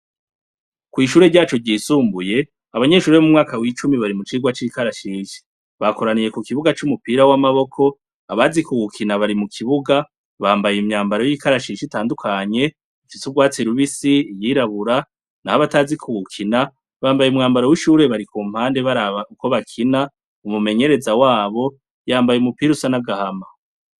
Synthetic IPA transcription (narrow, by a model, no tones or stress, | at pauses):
kwiːʃ̬uːɾe̞ɾɟaːt͡ʃo̞ɟiːsuːmbuje̞ | aβaɲe̞ʃuːɾemumŋaːkawit͡ʃumiβaɾimut͡ʃiːɡwat͡ʃiːkaɾaʃiːʃi̥ | βako̞ɾanije̞kukiβuɡat͡ʃumupiːɾawamaβo̞kʰo̞ | aβazikuɡukʰinaβaɾimukʰiβuɡa | βaːmbajemɲaːmbaɾo̞jikaɾaʃiːʃitaːndukʰaɲe̞ | ufisuβɡwaːt͡siɾuβisiːjiːɾaβuɾa | nahaβatazikʰuɡukʰina | βaːmbajumŋaːmbaɾowiʃuːɾe̞βaɾikuːm̥haːnde̞βaɾaβauko̞βakʰina | umume̞ɲe̞ɾe̞zawaːβo̞ | jaːmbajeumupiːɾusanaɡahama